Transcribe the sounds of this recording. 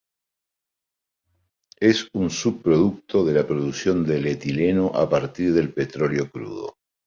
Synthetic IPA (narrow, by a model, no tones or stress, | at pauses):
esunsuβ̚pːɾoðuk̚t̪o̞ðelapɾo̞ðuksjo̞nd̪elet̪ilenoʔa̰paɾt̪iɾðe̞lpe̞t̪ɾo̞ljo̞kɾṵðo̰